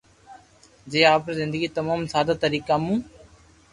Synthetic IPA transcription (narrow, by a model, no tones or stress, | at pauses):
d͡ʒeːaːpɾezɪ̃nd̪əɡiːt̪əmaːmsaːd̪aːt̪əɾiːkaːmũː